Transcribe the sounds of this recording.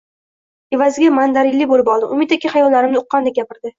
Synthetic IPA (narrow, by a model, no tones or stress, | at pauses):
e̞vazɪɡʲamand̪aɾɪlːɪbolɪpɒlˠd̪ɪʔʊmɪt̪ːakʲʰɪχajɒllːaɾɪmnɪʊqːɑnd̪aɡʲapɪɾd̪ɪ